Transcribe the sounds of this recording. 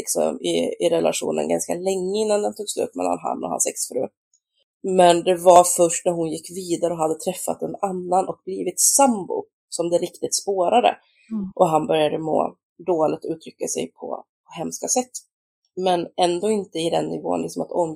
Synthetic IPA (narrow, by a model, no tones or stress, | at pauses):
ɪksɔ̰mɪ̰ɪɾɛla̰ʂṵːnə̰nɡanskalɛŋːəɪnːand̪ɛnt̪ʰuːɡ̥slʉ̰ːp̪mɛ̰lːa̰nɦa̰nːɔ̰ha̰nsɛksfɾʉ̟ː | mɛnd̪ɛvaɾfœʂʈnæɾɦʊnjɪkːviːd̪aɾəɔɦad̪ːət̪ʰɾɛfːa̰t̪ɛnanːanʔɔk̚bliːvɪt̪sambʊ̰ | sɔmd̪ɛɾɪkt̪ɪt̪spoːɾad̪ə̰ | ʔɔɦanbœɾjad̪əmo̰ː | d̪oːlɪɡ̚t̪ʉ̟ːt̪ʰɾʏkːasɛ̰jpʰɔ̰ | hɛmskasɛt̪ː | mɛnɛnd̪oːɪnt̪əɪd̪ɛnːɪvo̰ːnlɪksɔmat̪ɔm